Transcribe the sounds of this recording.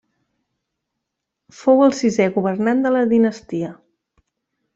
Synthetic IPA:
fowəlˠsizɛɣuβərnand̪ələðinəst̪iə

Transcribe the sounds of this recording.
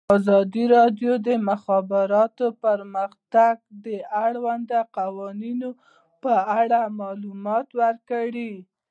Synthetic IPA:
ɑzɑd̪iɾɑɖjod̪əmʊxɑbɪɾɑt̪opəɾməxt̪aɡ̚d̪əaɽwand̪aqawɑnino | pəaɽamɑlumɑt̪wəɾkaɽi

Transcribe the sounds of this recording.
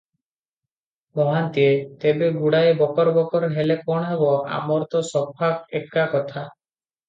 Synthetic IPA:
mɔɦant̪iet̪ebeɡuɽaebɔkɔɾbɔkɔɾɦelepɔɽ̃ɔɦebɔʔa̰mɔɾt̪ɔsɔbʱaɡeʈ̚kakɔt̪ʰa

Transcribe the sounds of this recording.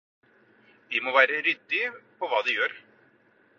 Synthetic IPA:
ʋ̪ɪmoːʋæːɾəɾʏd̪ːɪpʰɔʋɑːd̪ɪjøːɾ

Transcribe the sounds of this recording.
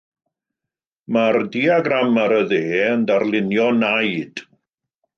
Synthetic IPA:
mardiaɡramaɾəðeːəndarlˠɪnjɔnajd̥

